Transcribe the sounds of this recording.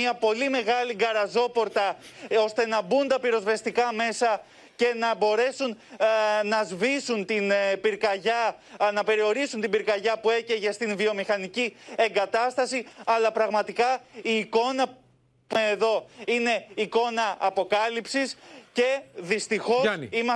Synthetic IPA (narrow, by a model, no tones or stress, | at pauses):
iɐpo̞lime̞ɣɐliɡɐɾɐzo̞po̞ɾt̪ɐo̞st̪e̞nɐbund̪ɐpiɾo̞zvest̪ikɐme̞sɐ | ce̞nɐbo̞ɾe̞sun | nɐzvisunt̪inpiɾkɐʝɐnɐpe̞ɾio̞ɾisunt̪ibiɾkɐʝɐpue̞ceʝest̪invio̞mixɐnicieŋɡɐt̪ɐst̪ɐsiɐlɐpɾɐɣmɐt̪ikɐiːko̞nɐ | eðo̞ine̞iko̞nɐɐpo̞kɐlipsisce̞ðist̪ixosim